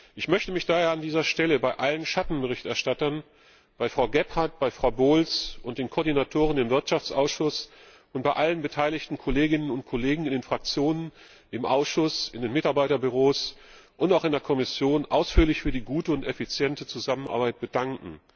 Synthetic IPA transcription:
ʔɪçmœçtəmɪçd̥aːɦeːɐandiːzɐʃtɛləbaɪʔalənʃatn̩bəʁ̞ɪçtɛɐʃtatɐn | b̥aɪfʁ̥aʊɡɛphaɐt̚b̥aɪfʁ̥aʊboːlsʔʊnt̚d̥eːnkʰɔɐdinatʰoːʁ̞ənɪmvɪɐtʃaft͡sʔaʊsʃʊs | ʔʊnt̚b̥aɪʔalənbətʰaɪlɪçtn̩kʰɔleːɡɪnənʊnt̚kʰɔleːɡŋ̩ɪndeːnfʁ̥ak̚t͡sjoːnən | ʔɪmʔa̰ʊsʃʊsɪndeːnmɪtaɐbaɪtɐbyʁ̞oːsʔʊntaʊxɪndeɐkʰɔmɪsjoːnʔaʊsfyːɐlɪçfyːɐdiːɡuːtəʊntɛfit͡sjɛntət͡suzaməna̰ɐbaɪt̚b̥ədaŋkŋ̩

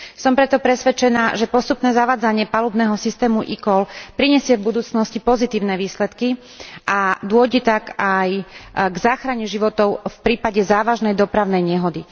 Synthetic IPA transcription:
sɔmpɾɛt̪ɔpɾɛsʋɛt͡ʃɛnaːʒɛpɔst̪upnɛːzaʋaːd͡zaɲɪɛpaluːbnɛːɦɔsist̪ɛːmuʔḭkɔlpɾiɲɛsɪɛvbud̪uːt͡snɔscipɔzit̪iːʊnɛʋiːslɛt̪ki | ʔad̪ʊɔɟɛt̪akajɡzaːxɾaɲɛʒiʋɔt̪ɔʊfpɾiːpaɟɛzaːʋaʒnɛjd̪ɔpɾaʊnɛjɲɛɦɔd̪i

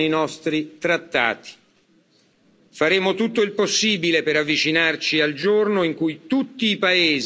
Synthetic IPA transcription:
ejnɔst̪ɾit̪ɾat̪ːa̰ːt̪i̥ | faɾeːmot̪ut̪ːoilposːiːbilepeɾavːit͡ʃinart͡ʃiald͡ʒornoiŋkujt̪ut̪ːiːpaeːz

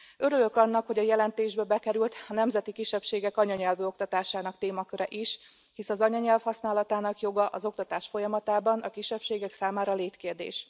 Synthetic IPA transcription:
ø̞ɾylø̞kɒnːɒkho̞ɟɒjɛlɛnt̪eːʒbɛbɛkɛɾylt̪ɒnɛmzɛt̪ikiʃːɛpʃeːɡɛkɒɲɒɲɛlvøːo̞k̚t̪ɒt̪aːʃaːnɒkt̪eːmɒkøɾɛʔiʃ | hisɒzɒɲɒɲɛlfhɒsnaːlɒt̪aːnɒkjo̞ɡɒʔɒzo̞k̚t̪ɒt̪aːʃfo̞jɒmɒt̪aːbɒnɒkiʃːɛpʃeːɡɛksaːmaːɾɒleːt̪keːrd̪ḛːʃ

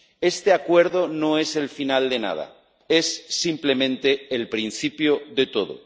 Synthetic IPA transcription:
e̞st̪e̞akwe̞ɾð̞o̞no̞e̞se̞lfinald̪e̞na̰ða̰ | e̞sːimple̞mẽnt̪e̞ːlpɾin̟θipjoðe̞t̪o̞ðo̰

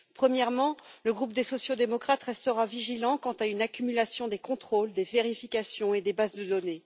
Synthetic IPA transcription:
pχəmjɛʁmɑ̃ləɡʁupd̪esɔsjod̪emɔkχat̪ʁɛst̪əʁaviʒilɑ̃kɑ̃t̪aynakʲymylasjɔ̃d̪ekɔ̃t̪χold̪eveʁifikʲasjɔ̃ed̪ebazd̪əd̪ɔne

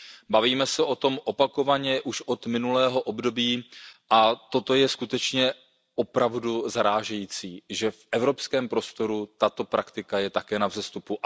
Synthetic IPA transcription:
baviːmɛsɛʔo̞t̪o̞mʔo̞pako̞vaɲɛʔuʃʔo̞t̪mɪnulɛːɦo̞ʔobdo̞biːʔat̪o̞t̪o̞jɛskut̪ɛt͡ʃɲɛ | ʔo̞pɾavduzaɾaːʒɛjiːt͡siːʒɛfʔɛvɾo̞pskɛːmpɾo̞st̪o̞ɾut̪at̪o̞pɾʔakt̪ɪkajɛt̪akɛːnavzɛst̪upu

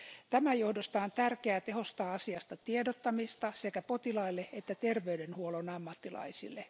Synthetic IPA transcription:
t̪æmæjohdost̪ɑːnt̪ærkeæːt̪eho̞st̪ɑːɑsiɑst̪ɑt̪iedot̪ːɑmist̪ɑsekæpo̞t̪ilɑilːeet̪ːæt̪erʋeydenhuolonɑmːɑt̪ːilɑ̰isḭlːe

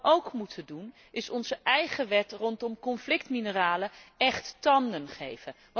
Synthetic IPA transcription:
ʔowkmutʰədun | ɪsɔnzəʔɛjχəʋɛtrɔntɔmkɔnflɪktminəraːləɛχttɑndənχḛjvə | ʋ

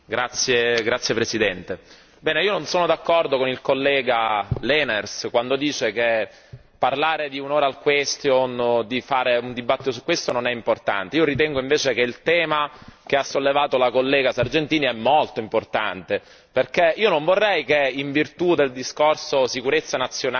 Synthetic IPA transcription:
ɡɾat̪sːjeɡɾat̪sːjepɾesid̪ɛnt̪e | bɛːneiːononsoːnod̪akːɔrd̪okonilkolːɛːɡalɛːnerskwand̪od̪iːt͡ʃeke | parlaːɾed̪iunoːɾaːlkwɛst̪jond̪ifaːɾeund̪ibat̪ːit̪os̬ukːwest̪ononɛimport̪a̰nt̪eiːoɾit̪ɛŋɡoiɱveːt͡ʃek̟eilt̪ɛːmakeasːolːevaːt̪olakolːɛːɡasard͡ʒent̪iːniɛmːolt̪oimport̪a̰nt̪e | perkeiːonoɱvorːɛjk̟eiɱvirt̪ud̪eld̪iskorsosikuɾet̪sːanat̪sːjona

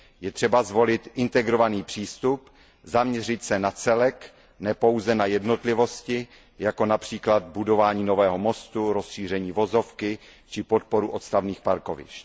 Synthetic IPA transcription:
jɛt̪r̝̥ɛbazvo̞lɪt̪ʔɪnt̪ɛɡɾo̞vaniːpr̥iːst̪up | zamɲɛr̝ɪt̪sɛnat͡sɛlɛk | nɛpo̞wzɛnajɛdno̞t̪lɪvo̞scɪ | jako̞napr̝̥iːklad̪budo̞vaːɲiːno̞vɛːɦo̞mo̞st̪uɾo̞sʃiːr̝ɛɲiːvo̞zo̞fkɪt͡ʃɪpo̞t̪̚po̞ɾuʔo̞t̪st̪avniːxpaɾkovɪ̰ʃt̪

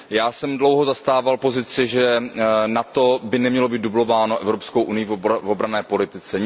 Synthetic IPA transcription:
jaːsɛmdlo̞wɦozast̪aːvalpo̞zɪt͡sɪʒɛnat̪o̞bɪnɛmɲɛlo̞biːt̪dublovaːno̞ʔɛvɾopskowʔunɪjɪvvobɾanɛːpo̞lɪt̪ɪt͡sɛ

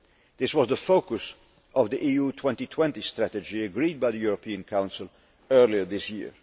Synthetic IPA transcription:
ðɪswʌzðəfoʊkəs | ʔʌvðiʔijutʰw̥ɛ̃ntitʰw̥ɛ̃ntistɹætɨd͡ʒiɨɡɹid̚baɪðəjuɹəpʰĩɨ̃nkʰãʊ̃nsəl̩ˠ | ɜ˞liə˞ðɪsjɪ̰ɹ

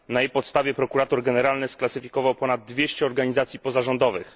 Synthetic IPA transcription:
najejpɔt̪st̪avʲjɛpɾɔkuɾat̪uɾɡɛnɛɾalnɘsklat̪sɘfʲikɔvawpɔnad̪̚ːvʲjeɕt͡ɕɛɔɾɡaɲizat̪sʲjipɔzaʐɔnd̪ɔvɘx

